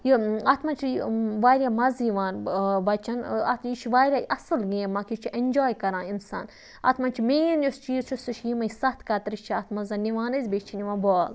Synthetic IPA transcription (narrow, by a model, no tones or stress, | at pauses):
jiaːt̪ʰmɐnt͡ʃʰiʋaːɾʲamɐziʋaːnbɐt͡ʃɐna̰t̪it͡ʃʰiʋaːɾʲaʔɐsɨlɡẽːmakʲit͡ʃʰiʔenʲd͡ʒoːjkɐɾãːinsa̰ːn | ɐ̰t̪ʰmɐnt͡ʃʰimẽːjɐnjust͡ʃʰijisʰusɐt͡ʃʰjimɐjsɐt̪ʰkat̪ɐɾiʃt͡ʃʰiɐt̪ʰmɐzɐniʋaːnɐzʲbeːt͡ʃʰiniʋãːbɔːl